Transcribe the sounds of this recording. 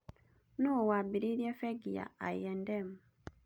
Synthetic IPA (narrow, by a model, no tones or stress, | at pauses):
nowabiɾiɾjefeɡija̰ajendemu